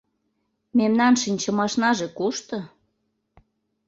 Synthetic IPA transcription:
memnɑnʃinʲt͡ɕə̆mɑʃnɑʒekuʃt̪ɤ̆

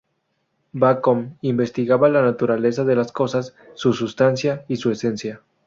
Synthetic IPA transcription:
bakomimbest̪iɣaβalanat̪uɾales̬aðelaskosasː | usust̪ansjaisuesensja

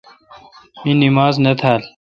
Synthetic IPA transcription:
minimaːznɐt̪ʰaːl

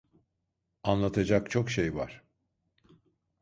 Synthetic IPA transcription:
anlˠat̪ʰad͡ʒak̚t͡ʃʰo̞kʃejva̰ɾ̥

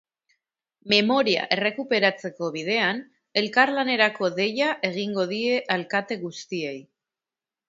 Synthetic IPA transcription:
me̞mo̞ɾia̰ʔe̞re̞kupe̞ɾat͡se̞ko̞βið̞e̞an | e̞lkaɾlane̞ɾako̞ðe̞jaʔe̞ɣiŋɡo̞ð̞ie̞ʔalkat̪e̞ɣ̞ust̪ie̞j

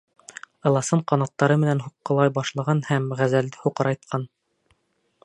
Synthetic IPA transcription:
ɤ̆lˠɑsɤɴqɑnɑt̪ːɑɾɤmɘ̆nænɦuqːɤ̆lˠɑjbɑʃlˠɑʁɑnhæmʁæzæld̪ɘhuqɤ̆ɾɑjt̪̚qʰɑn

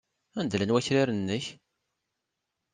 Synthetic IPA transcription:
ænd̪lænwæçɾiɾənːəç

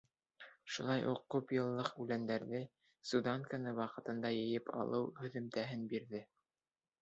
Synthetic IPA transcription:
ʃulˠɑjʔuq̚ːʉpjɤ̆lˠːɤqʉlænd̪æɾðɘ | sud̪ɑŋkanɤwɑqɤ̆t̪ɤ̆nd̪ɑjɘ̆jɘpʰɑ̰lˠɤwhɵ̆ðɵ̆mt̪æɦɘnbiɾðɘ

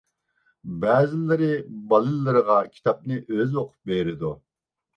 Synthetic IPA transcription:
bɛːzɪlːɪɾɪbɑlˠɨlːɨɾəʁɑkʲʰi̥t̪ʰɑp̚nɨʔøzwoqʰʊ̥p̚beɾɪd̪u

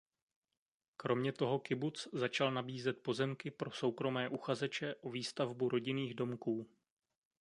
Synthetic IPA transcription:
kɾo̞mɲɛt̪o̞ɦo̞kɪbut͡szat͡ʃalnabiːzɛt̪̚po̞zɛmkɪpɾo̞so̞wkɾo̞mɛːʔuxazɛt͡ʃɛʔoviːst̪avbuɾo̞ɟɪniːɣdo̞mkuː

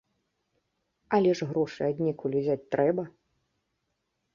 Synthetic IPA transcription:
ɐlʲɛʐɣɾɔʂɨad̪ʲnʲɛkulʲuzʲat͡sʲt̪ɾʔɛbɐ

